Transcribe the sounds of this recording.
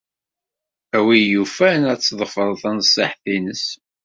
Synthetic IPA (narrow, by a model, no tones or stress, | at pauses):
æwijufænæt͡sːðˤəfəðˤθænsˤːɪ̰ħθinəs